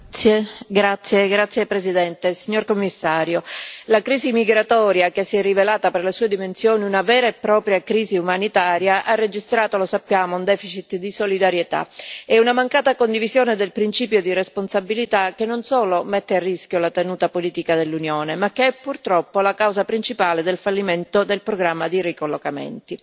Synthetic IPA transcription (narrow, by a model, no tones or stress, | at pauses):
ɡɾat̪sːjeɡɾat̪sːjepɾezid̪ɛnt̪esiɲːorkomːisːaːɾjolakɾiːzimiɡɾat̪ɔːɾjakesiɛrːivelaːt̪aperlesuːed̪imensjoːniunavɛːɾaepːɾɔːpɾjakɾiːziumanit̪aːɾjaʔarːed͡ʒist̪ɾaːt̪olosapːjaːmound̪ɛːfit͡ʃit̪d̪isolid̪aɾjet̪a̰ɛunamaŋkaːt̪akond̪ivizjoːned̪elpɾint͡ʃiːpjod̪iresponsabilit̪akːenːonsoːlomɛt̪ːearːisk̟jolat̪enuːt̪apoliːt̪ikad̪elːunjoːnemakːeɛpːurt̪ɾɔpːolakawzapɾint͡ʃipaːled̪elfalːiment̪od̪elpɾoɡɾamːad̪irikolːokamḛnt̪i